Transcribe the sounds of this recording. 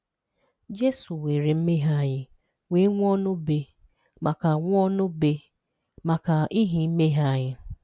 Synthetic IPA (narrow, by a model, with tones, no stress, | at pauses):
d͡ʒe˦su˨we˨ɾe˨m̩˦me˦ɦa˦˨ɲɪ˦ | we˦ŋʷ˦ɔ˦nʊ˦be˨ | ma˨ka˨ŋʷ˦ɔ˦nʊ˦be˦ | ma˨ka˨i˦ɦi˨m̩˦me˦ɦa˦˨ɲɪ˦